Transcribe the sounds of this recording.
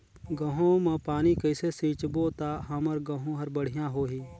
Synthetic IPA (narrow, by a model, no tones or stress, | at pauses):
ɡɐɦõmɐ̃paːnikəɪsesĩːt͡ʃboːt̪aːɦɐməɾɡɐ̃ɦõɦɐɾbəɽ̤ɪjãːɦoːɦiː